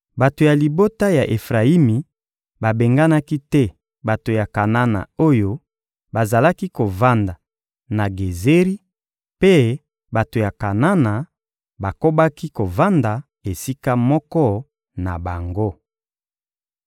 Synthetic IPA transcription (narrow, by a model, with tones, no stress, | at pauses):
ba˨to˨ja˨li˨bo˦ta˦ja˨ʔe˨fʁa˨i˦mi˨ | ba˨be˨ŋɡa˦na˦ki˦tɛ˦ | ba˨to˨ja˨ka˨na˦na̰˨o˦jo˦ | ba˨za˨la˦ki˦ko˨va˦nda˨ | na˨ɡe˨ze˦ʁi˦ | pe˦ | ba˨to˨ja˨ka˨na˦na˨ | ba˨ko˦ba˦ki˦ko˨va˦nda˨ | e˨si˦ka˦mɔ˦kɔ˦ | na̰˨ba˨ŋɡo˦